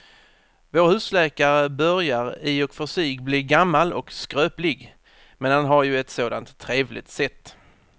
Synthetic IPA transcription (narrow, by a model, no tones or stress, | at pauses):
voːɾhʉ̟ːslɛːkaɾəbœɾjaɾiːɔkfœʂyːɡbliːɡamːalɔ̰kskɾøːplɪɡ | mɛnhanɦaɾjɵɛt̪soːd̪a̰nt̪ʰːɾeːvlʔɪ̰t̪sɛt̪ː